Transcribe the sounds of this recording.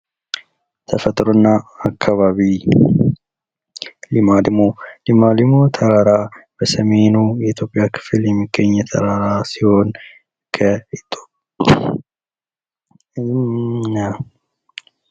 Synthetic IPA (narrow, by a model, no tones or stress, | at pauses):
t̪ʰəfət̪ʼɾonːaːkʰːaβaβi | limad̪ɨmolimalimot̪ʰəɾaɾab̥əsəme̞nujɛit̪ʰjo̞pʼːɪjakʰɨ̥fljɛmːiɡːəɲːɛt̪ʰə̰ɾaɾasiho̞n | kʰəit̪ʼo̥ | na